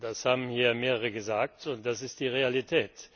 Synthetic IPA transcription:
d̥ashaːbm̩hiːɐmeːʁəʁəɡəzaːk̚tʊnt̚d̥asɪst̚d̥iːʁealitʰɛːt

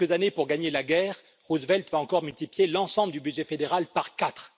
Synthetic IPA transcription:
kəzanepuʁɡaɲelaɡʲɛːʁ | ʁuzvɛlt̪vaɑ̃kɔʁmylt̪ipljelɑ̃sɑ̃bləd̪ybyd̪ʒɛfed̪eʁalpaʁkat̪χ

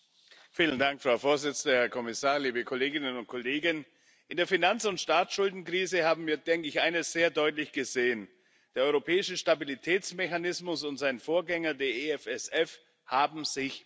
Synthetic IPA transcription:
fiːləndaŋkfʁ̥aʊfoːɐzɪt͡sn̩dəhɛɐkʰɔmɪsaːʁliːbəkʰɔleːɡɪnənʊnt̚kʰɔleːɡən | ʔɪndeːɐfinant͡sʊntʃtaːsʃʊldn̩kʁ̥iːzəhaːbm̩viːɐdɛŋkəɪçʔaɪnəsz̥eːɐdɔʏtlɪçɡ̥əzeːən | d̥eːɐɔʏʁopʰɛːɪʃəʃtabilitʰɛːt͡smɛçanɪsmʊsʊntz̥aɪnfoːɐɡɛŋɐdeːɐeɛfɛsɛf | haːbm̩z̥ɪç

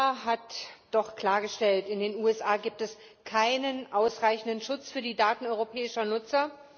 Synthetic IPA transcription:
ɦatd̥ɔχkl̥aːɐɡəʃtɛltɪndeːnuːɛsʔaːɡiːp̚tɛs | kʰaɪnənʔaʊsʁaɪçn̩dənʃʊt͡sfyːɐdiːdaːtn̩ɔʏʁopʰɛːɪʃɐnʊt͡sɐ

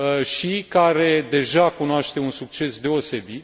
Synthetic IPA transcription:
ʃikaɾe̞d̪e̞ʒakunoaʃt̪e̞unsuk̚t͡ʃe̞sd̪e̞o̞se̞bit̪

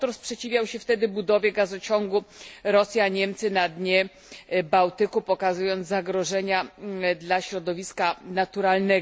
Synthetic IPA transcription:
t̪ɔɾspʂɛt͡ɕivʲjawɕɛft̪ɛd̪ɘbud̪ɔvʲjɛɡazɔt͡ɕɔŋɡuɾɔsʲjaɲɛmt̪sɘnad̪ɲɛ | bawt̪ɘkupɔkazujɔnt̪zzaɡɾɔʐɛɲad̪laɕɾɔd̪ɔvʲiskanat̪uɾalnɛ

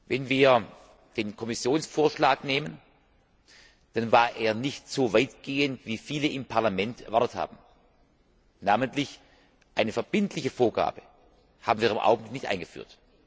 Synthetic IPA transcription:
vɛnviːɐ | d̥eːnkʰɔmɪsjoːnsfoːɐʃlaːkneːmən | d̥anvaːɐʔeːɐnɪçtz̥oːvaɪtɡ̥eːəntv̥iːfiːləʔɪmpʰaɐlamɛntʔɛɐvaɐtətha̰ːbm̩ | naːməntlɪç | ʔaɪnəfɛɐb̥ɪntlɪçəfoːɐɡa̰ːb̥ə | haːbmn̩viːɐɪmʔa̰ʊɡŋ̩blɪknɪçtʔa̰ɪnɡəfy̰ːɐt

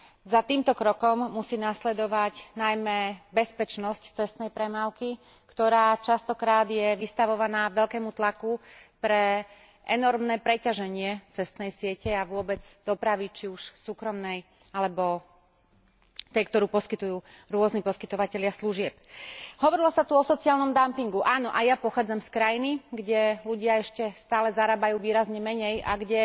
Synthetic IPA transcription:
zat̪iːmt̪ɔkɾɔkɔmːusiːnaslɛd̪ɔʋaɟnajmɛbɛspɛt͡ʃnɔsct͡sɛst̪nɛjpɾɛmaːʊki | kt̪ɔɾaːt͡ʃast̪ɔkɾaːd̪jɛʋist̪aʋɔʋanaːʋɛʎkɛːmut̪lakupɾɛ | ʔɛnɔɾmnɛːpɾɛcaʒɛɲɪɛt͡sɛst̪nɛjsɪɛcɛaʋʊɔbɛd͡zd̪̥ɔpɾaʋit͡ʃiuʃsuːkɾɔmnɛj | alɛbɔ | t̪ɛjkt̪ɔɾuːpɔskit̪ujuːɾʊɔznipɔskit̪ɔʋacɛʎɪasluʒɪɛp̚ɦɔʋɔɾilɔsat̪uɔsɔt͡siaːlnɔmd̪ampiŋɡuʔaːnɔʔajapɔxaːd͡zamskɾajiniɡɟɛluɟɪaɛʃcɛst̪aːlɛzaɾaːbajuːʋiːɾazɲɛmɛɲɛja̰ɡɟɛ

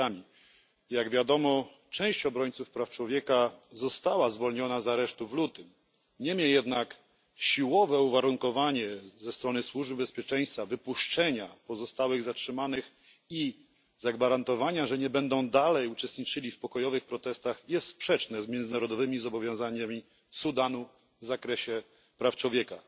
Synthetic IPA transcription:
amʲi | jaɡvʲjad̪ɔmɔ | t͡ʂɛ̃w̃ɕt͡ɕɔbɾɔɲt̪sufpɾaft͡ʂwɔvʲjɛkazɔst̪awazvɔlɲɔnazaɾɛʂt̪uvlut̪ɘm | ɲɛmʲjɛjɛd̪nak | ɕiwɔvɛuvaɾuŋkɔvaɲɛzɛst̪ɾɔnɘswuʐbɘbɛspʲjɛt͡ʂɛj̃st̪favɘpuʂt͡ʂɛɲapɔzɔst̪awɘɣzatʂɘmanɘx | i | zaɡvaɾant̪ɔvaɲaʐɛɲɛbɛnd̪ɔ̃w̃d̪alɛjut͡ʂɛst̪ɲit͡ʂɘlʲifpɔkɔjɔvɘxpɾɔt̪ɛst̪axjɛst̪spʂɛt͡ʂnɛzmʲjɛnd̪ɘnaɾɔd̪ɔvɘmʲizɔbɔvʲjɔ̃w̃zaɲamʲi | sud̪anu | vzakɾɛɕɛ | pɾaft͡ʂwɔvʲjɛka̰

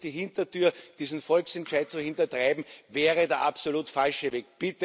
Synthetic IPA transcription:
d̥iɦɪ̃ntɐtyːɐd̥iːzn̩fɔlksɛntʃaɪt̚t͡suhɪntɐtʁaɪbm̩vɛːʁədeːɐʔapsoluːtfalʃəveːk̚b̥ɪtə

